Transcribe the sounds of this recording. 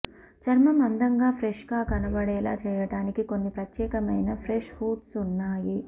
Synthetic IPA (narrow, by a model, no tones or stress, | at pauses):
t͡ʃɐɾmɐmɐnd̪ɐŋɡaːpʰɾeʂɡaːkɐnɐbɐɽɛːla̰ːt͡ʃɛːjɐʈaːnikiko̞nːipɾɐt̪jɛːkɐmɐjnɐpʰɾeʂhuːʈsunːaːji